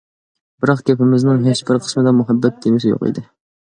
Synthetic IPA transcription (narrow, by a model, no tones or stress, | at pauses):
bɪɾɑqkʲepɪmɪznɪŋɦet͡ʃbɪɾqʰə̥smɨd̪ɛmuɦɛbːɛt̪̚kʰʲemɪsɪjo̰qḭd̪ɪ